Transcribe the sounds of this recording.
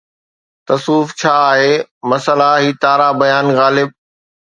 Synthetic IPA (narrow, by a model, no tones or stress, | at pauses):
t̪ɐsuːft͡ɕʰaːɦeːmɐsəlaɦiːt̪aːɾabɐjaːnɣaːlɪb̚